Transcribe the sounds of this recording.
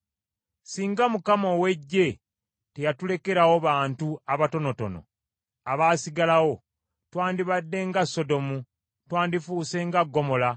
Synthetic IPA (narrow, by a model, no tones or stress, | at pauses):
siːŋɡamukamowe̞ɟːe̞ | te̞jatule̞keɾawo̞βaːntuaβato̞no̞to̞̰no̞̰ | aβaːsiɡalawo̞ | twaːndiβadːe̞ŋɡasːo̞do̞mu | twaːndifuːse̞ŋɡaɡːo̞mo̞la